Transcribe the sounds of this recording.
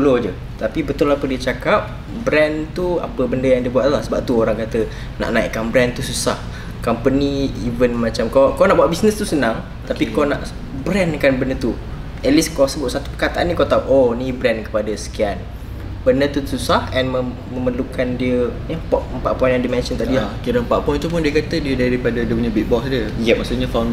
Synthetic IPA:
ulod͡ʒə | t̪apibət̪ʊlapədiət͡ʃakap̚ | bɾɛnt̪ua̰pəbəndəjaŋdiəbuwaʔ̪lahsəbap̚t̪uoɾaŋkat̪ə | na̰ʔnaḭʔkanbɾɛnt̪ususah | kampəniivənmat͡ʃamkakanaʔbuwaʔ̚bisnəst̪usənãŋ | t̪apikonaʔ | bɾɛnkanbənət̪u | ət̪liskasəbʊʔ̚sat̪u̥pəkat̪aʔanːikat̪auʔonibɾɛnkə̥padəsə̥kian | b̥ənət̪ususahɛnmə | məməlukandiəjəpɔʔəmpaʔpɔjnjãdimɛ̃nsənt̪aʔdiakiɾəəmpa̰ʔpɔjnt̪up̬ʊndiəkat̪ədiədaɾipadədəpuɲəbit̪̚bɔksdiəjəmaʔsuɲəfawn

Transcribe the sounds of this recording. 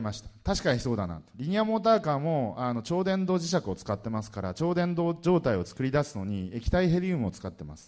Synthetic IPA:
maɕi̥t̪ḁt̪aɕi̥kaɲ̟iso̞ːd̪ana̰t̪oɾʲiɲ̟iamo̞ːt̪aːkaːmo̞ano̞t͡ɕo̞ːd̪ẽ̞nd̪o̞ːʑiɕ̬akɯ̟o̞t͡sɨ̥kat̪ːe̞masɨ̥kaɾat͡ɕo̞ːd̪ẽ̞nd̪oːd͡ʑo̞ːt̪aio̞t͡sɨ̥kɯ̟ɾʲid̪asɨno̞ɲ̟iekʲi̥t̪aiɦe̞ɾʲiɯ̟mɯ̟o̞t͡sɨ̥kat̪ːe̞masɨ̥

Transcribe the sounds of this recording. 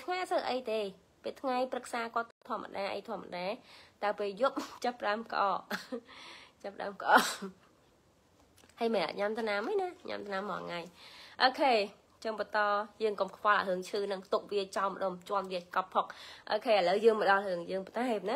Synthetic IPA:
t̪ʰŋaːsəʔəjt̪eː | peːt̪ʰŋajprɨk̚saːkŏət̪ːt̪ʰŏəmːə̰ɗaːʔə̰jt̪ʰoəmːə̰ɗaɛt̪aəwpeːljup̚t͡ɕəpːəɗaəmkʔɑ̰ː | t͡ɕəpəɗa̰əmkʔɑː | həjmenʔa̰ʔɲamt̪ʰnamənaɲa̰mt̪ʰnamːɑʔŋajʔoːkʰeː | t͡ɕəŋɓɑt̪ɑːjəːŋkomkʰpɑlʔa̰ɦɨəŋt͡ɕʰɨːnɨŋt̪uk̚ʋiət͡ɕɑmə̆ɗomt͡ɕŏənʋiəkɑpʰːok̚ʔoːkʰeːələwjəːŋmə̆ɗɑlhɨəŋjəːŋpət̪aɛp̚nɨ

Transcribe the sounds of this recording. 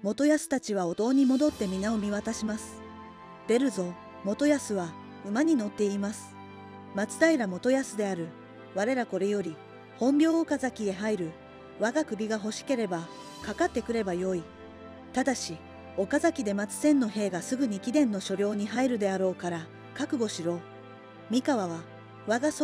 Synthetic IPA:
mo̞t̪o̞jasɨ̥t̪at͡ɕiβ̞ao̞t̪o̞ːɲ̟imo̞d̪o̞t̪ːe̞mʲinao̞mʲiβat̪aɕimasɨ̥ | d̪̥e̞ɾɯ̟zo̞ | mo̞t̪o̞jasɨβa | ɯ̟maɲ̟ino̞t̪ːe̞imasɨ̥ | mat͡sɨ̥d̪aiɾamo̞t̪o̞jasɨd̪e̞aɾɯ̟ | βaɾe̞ɾako̞ɾe̞jo̞ɾʲi | hõ̞mbʲjo̞ːkazakʲie̞ɦaiɾɯ̟ | βaɡakɯ̟ɾʲiɡaɦo̞ɕi̥ke̞ɾe̞ba | kakat̪ːe̞kɯ̟ɾe̞bajo̞i | t̪ad̪aɕi | o̞kazakʲid̪e̞mat͡sɨ̥sẽ̞nːo̞ɦe̞ːɡasɨɡɯ̟ɲ̟ikʲid̪ẽ̞nːo̞ɕo̞ɾʲjo̞ːɲ̟iɦaiɾɯ̟d̪e̞aɾo̞ːkaɾa | kakɯ̟ɡo̞ɕiɾo̞ː | mʲikaβaβ̞a | βaɡas

